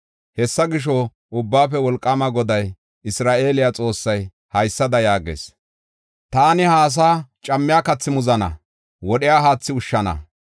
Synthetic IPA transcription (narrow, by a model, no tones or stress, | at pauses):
hɛsːɐɡɪʃ̬ɔ | ʔʊbːaːfɛwɔlkʼːɐmɐɡɔd̪ɐj | ɪsɾaːʔe̞ːlɪjat͡sʼo̞ːsːɐj | hɐjsːɐd̪ɐjaːɡḛːs | t̪aːnɪhaːs̬aːt͡ʃʼɐmːɪjaːkɐt͡sːɪmʊzɐnɐ̰ | wɔɗɪjaːɦaːt͡sːɪʊʃːɐnɐ̰